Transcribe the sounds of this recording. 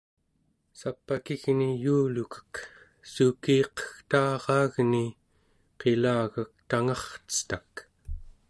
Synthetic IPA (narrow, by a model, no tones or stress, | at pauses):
sapːakiɣnijuːlukə̥k | sukiːqə̥xt̪ɑːʁɑːɣni | qe̞laːɣak̚t̪aŋɑχt͡sə̥t̪ak